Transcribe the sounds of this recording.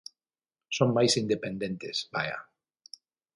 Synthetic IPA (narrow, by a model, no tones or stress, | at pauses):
soŋmajsind̪epẽnd̪ẽnt̪esbaja̰